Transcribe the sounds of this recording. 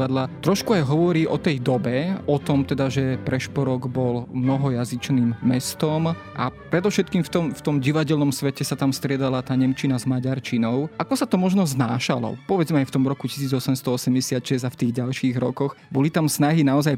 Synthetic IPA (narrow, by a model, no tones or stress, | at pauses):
ad̪lat̪ɾɔʃkuajɦɔʋɔɾiːʔɔt̪ɛjd̪ɔbɛɔt̪ɔmt̪ɛd̪aʒɛpɾɛʃpɔɾɔɡbɔlmnɔɦɔjazit͡ʃniːmːɛst̪ɔm | ʔa̰pɾɛd̪ɔfʃɛt̪kiːmft̪ɔmft̪ɔmɟiʋaɟɛlnɔmsʋɛcɛsat̪amst̪ɾɪɛd̪alat̪aːɲɛmt͡ʃinazmaɟaɾt͡ʃinɔʊʔakɔsat̪ɔmɔʒnɔznaːʃalɔ̰pɔʋɛd͡zmɛajft̪ɔmɾɔkuci̥siːd͡zɔsɛmst̪ɔɔsɛmɟɛsɪat̪ʃɛzaft̪iːɣɟalʃiːɣɾɔkɔx | bɔlit̪amsnaɦinaɔzaj